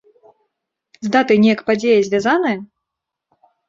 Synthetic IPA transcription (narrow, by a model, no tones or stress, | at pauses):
zd̪at̪ɨnʲɛjɐkpad͡zʲejɐzʲvʲazanɐjɐ